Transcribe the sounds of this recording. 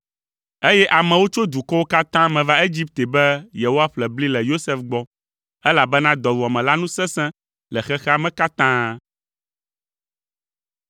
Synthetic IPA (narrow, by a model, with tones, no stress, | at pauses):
e˦jɛ˦ʔa˨mɛ̃˨wo˦t͡ʃo˦d̪u˨kɔ˦wo˦ka˦t̪ã˦mɛ̃˨va˦e˦d͡ʑi˦p̚t̪e˨bɛ˦je˨wo˦a˦ɸlɛ˨bli˦lɛ˨jo˦sɛ˦fɡ͡bɔ˦ | ɛ˦la˨bɛ˦nã˦d̪ɔ˨vu˨a˨mɛ̃˨la˦nũ˦sɛ̃˦sɛ̃˦ | lɛ˨xɛ˦xɛ˦a˦mɛ̃˦ka˦t̪ã˦